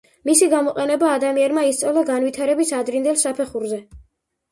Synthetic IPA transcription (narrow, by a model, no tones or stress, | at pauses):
misiɡamɔqʼɛnɛbaːd̪amianmaist̪sʼalˠɔɡanwit̪ʰaɾɛbisad̪ɾind̪ɛlsapʰɛχuɾzɛ